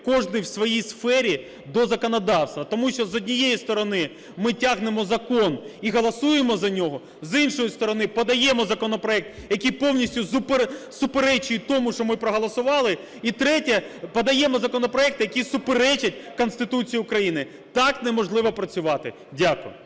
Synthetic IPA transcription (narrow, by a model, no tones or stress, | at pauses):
kɔʒnɪjwsʋɔjijsfɛɾʲi | d̪ɔzɐkɔnɐd̪ɑwst̪ʋɐt̪ɔmuʃt͡ʃɔzɔdʲnʲijejist̪ɔɾɔnɪ | mɪtʲaɦnemɔzɐkɔniɦɔlˠɐsujemɔzɐnʲɔɦɔ | zinʃɔjist̪ɔɾɔnɪpɐd̪ɐjɛmɔzɐkɔnɔpɾɔɛk̚t̪jɐkʲipɔwnʲisʲtʲʊsʊpsʊpeɾɛt͡ʃɪjt̪ɔmʊʃt͡ʃɔmɪpɾɔɦɔlˠɐsʊʋɑlˠɪ | it̪ɾɛtʲɐpɐd̪ɐjɛmɔzɐkɔnɔpɾɔɛk̚t̪ɪjɐkʲisʊpeɾɛt͡ʃɐt̚ʲkɔnst̪ɪt̪ut͡sʲijiʊkɾɐjinɪ | t̪ɑknɛmɔʒlˠɪʋɐpɾɐt͡sʲʊʋɑt̪ɪ | dʲakʊjʊ